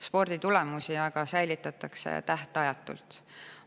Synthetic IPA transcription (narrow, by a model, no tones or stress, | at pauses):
spo̞rd̪̥it̪ule̞musiɑɡ̥ɑsæjlit̪ːˑɑt̪ːˑɑkse̞̰t̪æht̪eɑjɑt̪ːˑṵlt̪